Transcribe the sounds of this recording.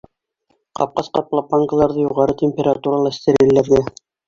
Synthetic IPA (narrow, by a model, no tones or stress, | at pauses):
qɑ̰p̚qɑsqɑplˠɑpːɑŋɡəlˠɑɾðɤjuʁɑɾɤt̪ʲemʲpʲeɾat̪uɾɑlˠɑɘ̆st̪ɘ̆ɾilːæɾɡæ